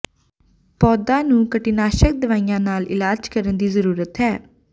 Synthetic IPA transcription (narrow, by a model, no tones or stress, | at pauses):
pɔːd̪ãːnũːkəʈinaːʃək̚d̪əʋaːijãːnaːlɪ̰laːd͡ʒkəɾənd̪iːzəɾuːɾət̪ɛː